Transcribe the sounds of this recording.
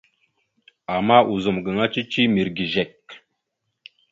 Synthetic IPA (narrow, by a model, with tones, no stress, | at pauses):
a˨ma˦ʔu˨zə˨mɡə˨ŋa˦t͡ʃi˦t͡ʃi˦mi˨ɾɡi˨ʒe˨k